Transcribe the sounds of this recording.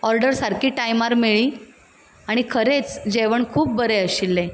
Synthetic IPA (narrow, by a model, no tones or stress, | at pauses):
ɔɾɖəɾsaɾkʰiːʈajmaɾmiɭiː | aɽ̃ikʰəɾet͡sd͡ʑeʋəɳkʰuːp̚bəɾeəɕilːẽ